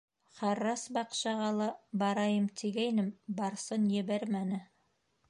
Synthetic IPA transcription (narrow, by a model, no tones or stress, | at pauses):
χɑrːɑsbɑqʃɑʁɑlˠɑbɑɾɑjɤmt̪ʰiɡæjnɘmbɑɾsɤnjɘ̆βæɾmænɘ